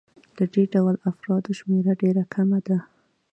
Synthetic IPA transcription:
d̪̥əɖeɖawəlafɾɑd̪oʃmeɾaɖeɾakʰamad̪a

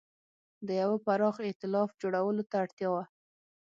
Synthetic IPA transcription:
d̪əjawapaɾɑxɪt̪ɪlɑfd͡ʒoɽawəlot̪aːɽt̪jɑwa

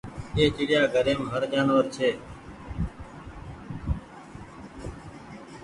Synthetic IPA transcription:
eːt͡ʃɪɽjaːɡʱəɾeːmɦəɾd͡ʒaːnʋəɾt͡ʃʰeː

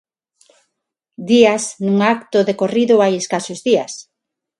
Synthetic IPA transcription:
d̪iasnuŋakt̪ʊðekoriðʊajeskasozðias

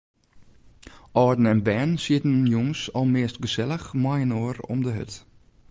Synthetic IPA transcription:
ʔɔːdn̩ɛnbɛːnsiətənjɔŋsɔlˠmeəstɡəsɛləxmajənoːəɾɔ̰mdəɦø̰t

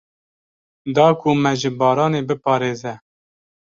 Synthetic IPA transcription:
d̪ɑːkʰumɛʒɪbɑːɾɑːneːbɨpʰɑːɾeːzɛ

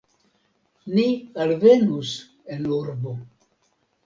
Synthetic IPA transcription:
nialvenus | enuɾbo

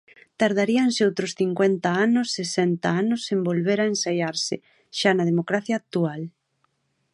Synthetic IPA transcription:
t̪aɾð̞aɾiaŋsɪowt̪ɾʊsθiŋkwent̪ɐanʊsːesɛnt̪ɐaanʊsembolβeɾaensajaɾsɪ | ʃanɐð̞emokɾaθjaːk̚t̪ual

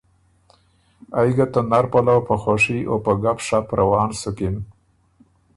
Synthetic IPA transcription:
ajɡat̪anaɾpalawpəxoʂiʔo̰pəɡapʂapɾʔawɑːnsʊkɪn

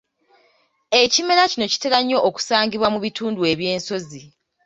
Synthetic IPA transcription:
e̞cime̞ɾacino̞ci̥teɾaɲːo̞ʔːku̥saːŋɟiβwamuβituːndue̞βje̞ːnso̞zi

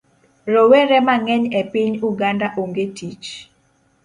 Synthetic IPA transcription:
rowɛɾɛmaŋɛɲɛpiɲuɡandaʔoŋɡetit͡ʃ

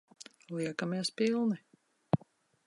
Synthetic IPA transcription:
lˠiɛkamiɛspilˠni

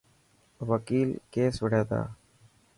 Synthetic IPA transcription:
ʋəkiːlkeːsʋəɽeːt̪a̰ː

